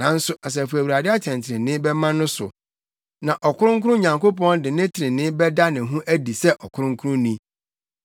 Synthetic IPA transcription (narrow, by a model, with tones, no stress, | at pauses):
ã˦n̩˦sʊ˦a˨s̬ɛ˨fu˨æ˨wu˨ɾa˨dɪ˦a˦tʰɛ̃˨ntʰɪ˨ɾɪ̃˨nɪ̃˦bɛ˦mã˦nʊ̃˦sʊ̰˨ | nã˨ʔɔ˨kʰʊ˦ɾʊ̃˦ŋ̩˦kʰʊ˦ʊ˦ɲã˨ŋko˦pɔ̃˦ndɪ˨nɪ̃˦tʰɪ˨ɾɪ̃˨nɪ̃˦bɛ˦da˦nɪ̃˨ɦũ˦ʔæ˦di˨sɛ˦ʔɔ˨kʰʊ˦ɾʊ̃˦ŋ˦kʰu˦ɾʊ̃˦nĩ˦